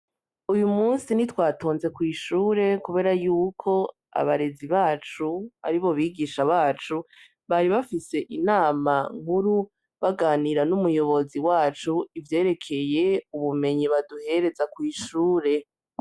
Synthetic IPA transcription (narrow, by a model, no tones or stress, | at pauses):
ujumuːnsinitwaːto̞ːnze̞kwiːʃuːɾe̞kuβe̞ːɾajuːkʰo̞ | a̰βaɾe̞ziβaːt͡ʃuβa̰ɾiβo̞βiːɡiːʃaβaːt͡ʃu | βaɾiβafise̞ʔinaːmaŋ̥huɾu | βaɡaːniɾanumujo̞βo̞ziwaːt͡ʃuivje̞ːɾe̞kʰe̞je̞uβume̞ɲiβaduhe̞ɾe̞zakwiːʃuːɾe̞